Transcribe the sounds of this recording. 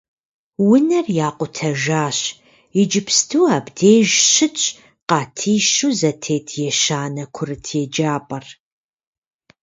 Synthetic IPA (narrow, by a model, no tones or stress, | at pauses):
wʊnɐrjaːqʷʊtʰɐʒaːɕ | ɪd͡ʒɪpʰstʰuːaːbdeːʒɕɪt͡ʃʼ | qɑːtʰiːʃuːzɐtʰeːtʰjɛʃaːnɐkʷʰʊrɨtʰjɛd͡ʒaːpʼɐr